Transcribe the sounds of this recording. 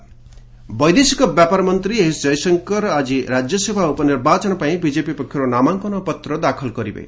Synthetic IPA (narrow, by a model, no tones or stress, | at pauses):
bɔjd̪esikɔbjapaɾmɔnt̪ɾiɦisd͡ʒʌjsʌŋkʌɾɔad͡ʒiɾad͡ʒjɔsebʱaupɔniɾbat͡ʃɔɽ̃ɔpaĩbid͡ʒepipɔkʰːjɔɾonamaŋkɔnɔpɔt̪ɾɔd̪akʰɔlɡɔɾḭbḛj̰